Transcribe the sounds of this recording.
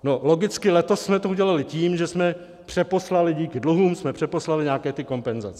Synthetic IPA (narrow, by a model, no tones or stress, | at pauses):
no̞lo̞ɡɪt͡skɪlɛt̪o̞sːmɛt̪ouɟɛlalɪciːmʒɛsmɛ | pr̝̥ɛpo̞slalɪɟiːkɪdluɦuːmsmɛpr̝̥ɛpo̞slalɪɲaːkɛːt̪ɪko̞mpɛnzat͡sɛ̥